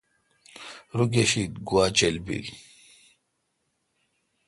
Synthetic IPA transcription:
ɾuɡeɕit̪ɡuat͡ɕelbḭl

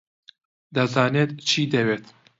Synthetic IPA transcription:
d̪ɐzaːneːt̪t͡ʃʰiːd̪ɐweːt̪

